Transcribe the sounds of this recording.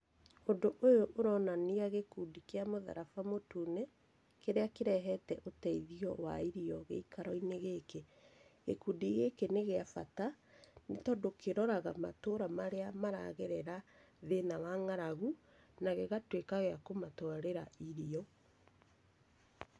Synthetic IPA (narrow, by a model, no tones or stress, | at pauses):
ondoʔojoʔoɾɔnaniaɣekuːdikeamoða̰ɾafamotuːne | keɾeakeɾɛɦɛtɛʔotɛiðiɔwa̰iɾiɔɣḛikaɾɔineɣeke | ɣḛkudiɣekeneɣeafa̰tanetɔdokʰeɾɔɾaɣamatoɾamaɾeamaɾa̰ɣɛɾɛɾa | ðenawaŋaɾaɣu | naɣeɣatwekaɣeakomatɔaɾeɾaiɾiɔ